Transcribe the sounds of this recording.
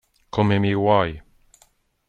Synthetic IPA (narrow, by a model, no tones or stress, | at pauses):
kʰɔmemiːwaj